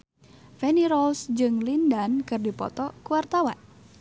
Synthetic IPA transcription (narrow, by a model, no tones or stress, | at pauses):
fɛniɾɔlsd͡ʒɨŋlindankɨrdipɔ̰t̪ɔkuwart̪awa̰n